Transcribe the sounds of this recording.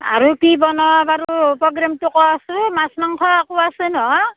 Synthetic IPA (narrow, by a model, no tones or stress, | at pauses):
a̰ɾukibɔnɔbaɾupɾɔɡɾamtukɔasumasmaŋkʰɔakuasɯnɔ